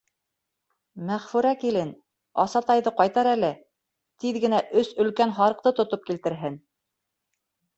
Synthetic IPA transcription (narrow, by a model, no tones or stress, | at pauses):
mæʁfʉɾækilɘn | ɑ̰sɑt̪ɑjðɤqɑjt̪ɑɾælɘ | t̪iðɡɘ̆næʔɵsɵ̆lkænɦɑɾɤ̆q̚t̪ɤt̪ŏt̪op̚kilt̪ɘ̆ɾɦɘn